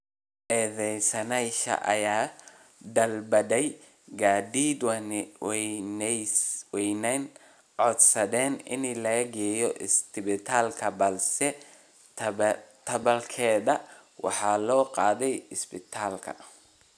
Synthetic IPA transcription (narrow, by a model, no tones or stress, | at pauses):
ʔɛːðɛjsɐnɛjʃɐ̰ʔɐ̰jaː | d̪ɐlbɐdɛj | ɡaːd̪iːd̪wn | wɛjnɛn | ʕɔd̪sɐðɛːnɪ̰nilɐɣɐɡɛːjɔʔɪst̪ɪbɪt̪ʰaːlkʰɐbɐlsɛ | t̪ʰɐbɐlkʰɛːðɐwɑ̰ħɑːlɔːqɑːðɛjɪsbɪt̪ʰaːlkʰɐ̰